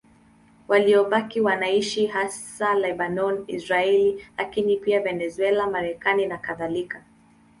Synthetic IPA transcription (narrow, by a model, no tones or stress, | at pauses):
waliɔɓakiwanaiʃiɦasalɛɓanɔnḭsɾaɛlilakinipiavɛnɛzuɛlamaɾɛkaninakaðalika